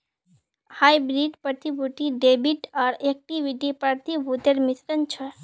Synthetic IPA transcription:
hajbɾiɖpəɾt̪ʰibʱuʈ̪iɖebiʈaɾek̚ʈiʋiʈipəɾt̪ibʱut̪eɾmisɾənt͡ʃʰə

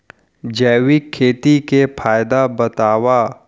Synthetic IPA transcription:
d͡ʒɛːwikʰːeːt̪ikepʰaːjd̪abɐt̪aːwa

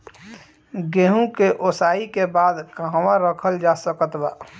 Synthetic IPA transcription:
ɡeɦũkeʔosaːikebaːd̪kaɦwãɾəkʰəld͡ʒasəkət̪ba̰ː

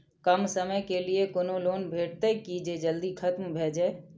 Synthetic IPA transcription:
kəmsəməjkeliekonoloːnbʱeːʈ̚t̪ekid͡ʒed͡ʒəld̪ikʰət̪mbʱeːd͡ʒae

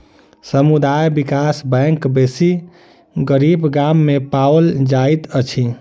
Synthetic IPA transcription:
səmud̪ajbikasbɛkbesi | ɡəɾibɡamːepawəld͡ʒait̪ət͡ʃʰi

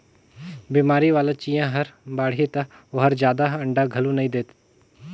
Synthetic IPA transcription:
biːmaːɾiʋaːlat͡ʃiːjãɦɐɾbaːɽ̤iet̪ɐɐɦɐɾd͡ʒjaːd̪aɐ̃ɳɖaɡʱɐlunɐĩd̪eːt̪

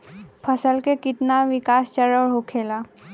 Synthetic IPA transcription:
pʰəsəlkekɪt̪naʋɪkaːst͡ʃəɾəɾɦokʰeːlaː

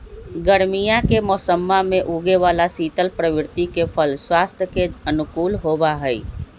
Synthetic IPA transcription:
ɡəɾmijakemɔsəmːameʔuɡeʋalasit̪əlpɾəʋɪɾt̪ikepʰəlswast̪ʰjəkeənukuːlɦobaɦəj

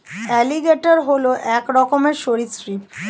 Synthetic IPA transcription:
ɛliɡeʈoɾɦoloʔɛkɾɔkomeɾʃoɾisɾip

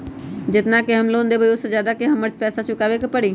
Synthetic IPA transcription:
d͡ʒɪt̪nakeɦɐmloːnd̪ebəʊsed͡ʒjaːd̪akeɦɐmːəɾt͡ʃpɛːsat͡ʃʰʊkaːʋekepəɽiː

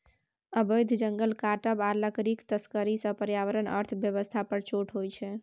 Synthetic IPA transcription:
əbəjd̪ʱd͡ʒəŋɡəlkaʈəbaɾləkɾikt̪əskəɾisə̃pəɾjaʋəɾənə̰ɾt̪ʰbjəβəst̪ʰapəɾt͡ʃoʈʰɦojt͡ʃʰɛ

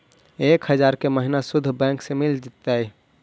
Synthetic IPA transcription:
ekhəd͡ʒaɾkeməɦinasʊd̪ʱːbɛ̃ŋksemild͡ʒit̪ːaj

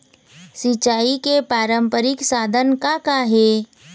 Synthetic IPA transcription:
sɪt͡ʃaːikepaːɾəmpəɾɪksaːd̪ʱənkakaɦeː

